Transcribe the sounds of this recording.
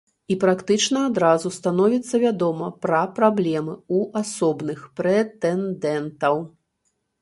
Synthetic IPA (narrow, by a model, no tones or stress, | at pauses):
ipɾakt̪ɨt͡ʂnɐad̪ɾazust̪anɔvʲit̪sːɐvʲad̪ɔmɐpɾɐpɾablʲɛmɨuʔasɔbnɨxpɾɛt̪ɛnd̪ɛnt̪ɐw